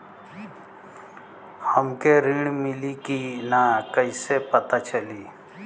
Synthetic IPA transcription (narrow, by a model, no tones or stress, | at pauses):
həmkeɾiɽ̃mɪlikinakəisepət̪at͡ʃəliː